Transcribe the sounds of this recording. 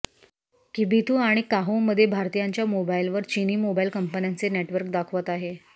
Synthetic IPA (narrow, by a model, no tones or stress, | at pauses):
kibit̪ʰuːaɽ̃ikaɦoməd̪ʱːjebʱaɾt̪ijaɲt͡ɕjamobailʋəɾt͡ɕiniːmobailkəmpənjant͡seneʈʋəɾk̚d̪akʰʋət̪aɦe